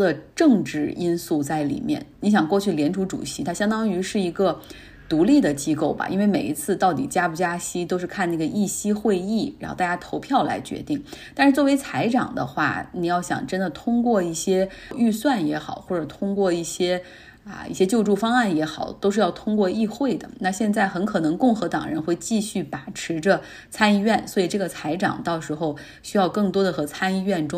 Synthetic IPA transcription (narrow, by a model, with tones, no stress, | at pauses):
ə˨ʈ͡ʂɤ˥˧ŋʈ͡ʂɻ̩˥˩i˥nsu˥˧t͡sa˥˩ɪlḭ˨˩mjɛ̰˥˩nni˧˥ɕjɑ˨˩ŋkwɔ˥˧t͡ɕʰy˥˩ljɛ˧˥nʈ͡ʂʰu˧˥ʈ͡ʂṵ˨˩ɕi˧˥t̪ʰa˥ɕjɑ˥ŋt̪ɑ˥ŋy˧˥ʂɻ̩˥˩i˧˥ɡə˧ | t̪u˧˥li˥˩d̪ə˩t͡ɕi˥ko˥˩ʊbɐ̰˩ʔḭ˥nwe˥˩ɪme˨˩ɪi˧˥t͡sʰɹ̩˥˧t̪ɑ˥˩ʊt̪̬ḭ˨˩t͡ɕja˥pu˧˩t͡ɕja˥ɕi˥t̪o˥ʊʂɻ̩˥˧kʰa˥˧na˥˩ɡə˩ʔi˥˩ɕi˥xwe˥˧ɪi˥˩ɻa˧˥nxt̪a˥˩t͡ɕja˥t̪ʰo˧˥ʊpʰjɑ˥˩ʊla̰˧˥ɪt͡ɕɥɛ̰˧˥t̪i˥˩ŋt̪a˥˧nʂɻ̩˥˩t͡swɔ˥˩we˧˥ɪt͡sʰa˧˥ɪʈ͡ʂɑ̰˨˩ŋd̪ə̰˦xwa̰˥˩ni˨˩jɑ˥˩ʊɕjɑ̰˨˩ŋʈ͡ʂə˥nd̪ə˨t̪ʰʊ˥ŋkwɔ˥˧i˥˩ɕjɛ˥y˥˧swa˥˩njɛ˧˥xɑ̰˨˩ʊxwɔ˥˩ʈ͡ʂɤ˨˩t̪ʰʊ˥ŋkwɔ˥˧i˥˩ɕjɛ˥ | ə̰˧ḭ˥˩ɕjɛ˥t͡ɕjo˥˧ʊʈ͡ʂu˥˩fɑ˥ŋa˥˩njɛ˧˥xɑ˨˩˦ʊt̪o˥ʊʂɻ̩˥˧jɑ˥˩ʊt̪ʰʊ˥ŋkwɔ˥˧i˥˧xwe˥˩ɪd̪ə̰˩na˥˧ɕjɛ˥˧nt͡sa˥˩ɪxə˧˥nkʰɤ˨˩nɤ˧˥ŋkʊ˥˩ŋxɤ˧˥t̪ɑ̰˨˩ŋɻə̰˧˥nxwe˥˧ɪt͡ɕi˥˧ɕy˥˩pa˨˩ʈ͡ʂʰɻ̩˧˥ʈ͡ʂə˧ | t͡sʰa˥ni˥˧ɥɛ˥˩nswɔ˧˥i˨˩ʈ͡ʂɤ˥˩ɡə˩t͡sʰa˧˥ɪʈ͡ʂɑ̰˨˩ŋt̪ɑ˥˩ʊʂɻ̩˧˥xo˥˧ʊ | ɕy˥jɑ˥˧ʊkɤ˥˩ŋt̪wɔ˥d̪ə˨xɤ˧˥t͡sʰa˥ni˥˧ɥɛ˥˩nʈ͡ʂʊ˥ŋ